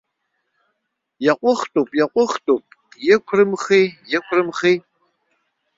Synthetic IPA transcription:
jɛqʷʊχtʼuːpʼjɛqʷʊχtʼuːpʼ | jɪkʷʰrɨmχiːjɛkʷʰrɨmχiː

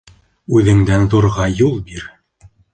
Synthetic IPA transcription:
ʉðɘ̆ŋd̪ænðoɾʁɑjulˠbiɾ

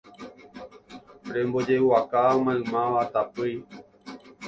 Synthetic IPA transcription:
ɾẽmbod͡ʒewakaamãɨ̃mãʋat̪apɨj

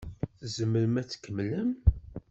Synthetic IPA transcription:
θzəməɾəmæt͡sːkːəmləm

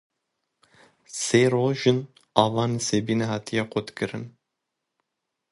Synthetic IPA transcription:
seːɾoːʒɨn | ɑːvɑːnesebiːnɛhɑːt̪ʰijɑːqʰʷot̪kɨɾɨn

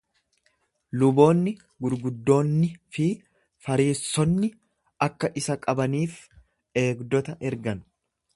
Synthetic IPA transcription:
lʊbo̞ːnːɪ | ɡʊɾɡʊd̪ːo̞ːnːɪfɪ | fɐɾiːsːɔnːɪ | ɐkːɐʔɪsɐkʼɐbɐniːf | e̞ːɡd̪ɔt̪ɐʔɛɾɡɐn

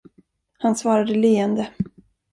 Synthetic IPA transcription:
hansvɑːɾad̪əliːɛnd̪ə

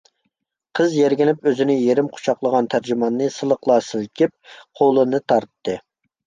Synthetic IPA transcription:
qʰəzjeɾɡʲinɪpøzɪnɪjeɾɪmqʰʊ̥t͡ʃʰɑqlˠəʁɑnt̪ʰæɾd͡ʒymɑnːɨsɨlˠəqlˠɑːsɨlkʲip̚qʰolˠɨnɨt̪ʰɑɾt̪ːɨ

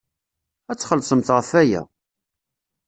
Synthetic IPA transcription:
æt͡sːχəlsˤəmt̪ʁəfæjæ̰

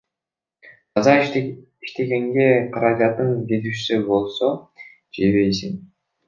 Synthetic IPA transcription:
ɑzɑ | iʃt̪e̞ɡe̞ŋɡe̞qʰɑɾɑd͡ʒɑt̪ɯnɡʲet̪yʃsybo̞lˠso | d͡ʒeβe̞jsiŋ

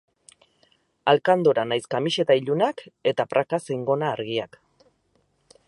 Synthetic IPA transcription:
alkand̪oɾanajskamiʃe̞t̪aiʎunake̞t̪apɾakasejŋɡo̞naːɾɣiak

